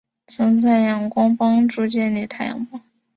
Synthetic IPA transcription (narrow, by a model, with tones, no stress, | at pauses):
t͡sʰɤ˧˥ŋt͡sa˥˩jɑ˨˩ŋkwɑ˥ŋpɑ˥ŋʈ͡ʂu˥˧t͡ɕjɛ˥˩nli˧˩t̪ʰa˥ɪjɑ̰˨˩ŋpwɑ˥ŋ